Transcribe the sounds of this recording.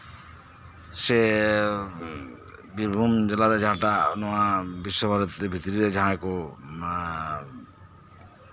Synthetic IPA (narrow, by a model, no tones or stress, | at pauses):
se | biɾbʱumd͡ʒelaɾed͡ʒaɦãʈanɔabiʃːobʱaɾɔt̪ebʱit̪iɾiɾed͡ʒaɦãeko